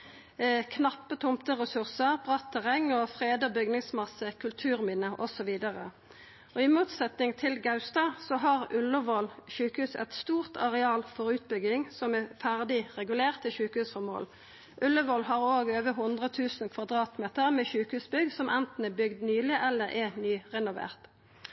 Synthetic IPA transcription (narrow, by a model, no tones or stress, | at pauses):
kʰnɑpːət̪ʰʊmt̪əʁɛsʉʁsəʁb̥ʁɑt̪ʰːɛʁɛŋːɔfʁeːd̪əbʏɡnɪŋsmɑsːəkʰʉlt̪ʰʉːʁmɪnəʔɔsɔʋiːd̪ɑʁə̰ | ɔɪmuːt̪sɛt̪nɪŋt̪ʰɪlɡɑʉst̪ɑsɔɦɑʁʉlːəʋoːlçʉːkhʉːsɛ̰t̪st̪uːʁt̪ʰɑʁɛɑːlfɔʁʉːt̪̚bʏɡɪŋsɔmɛfæʁd̪ɪʁɛɡʉleːʁt̪ɪçʉːkhʉːsfɔʁmo̰ːl | ʔʉlːəʋɔlɦɑʁoːɡøːʋəɦʊnd̪ʁət̪ʰʉːsn̩kʰʋɑd̪ʁɑːt̪meːt̪əʁmɛçʉːkhʉːsbʏɡsɔmʔɛnt̪n̩əbʏɡd̪nyːlɪʔɛlːəɾʔɛnyːʁɛnʊʋḛːʁt̪